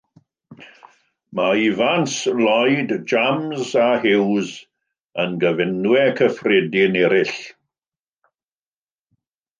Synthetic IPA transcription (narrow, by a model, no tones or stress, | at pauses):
maivanslɔjdd͡ʒamzaɦɪwz | ənɡəvɪnwɛkʰəfrɛdɪnɛɾɪɬ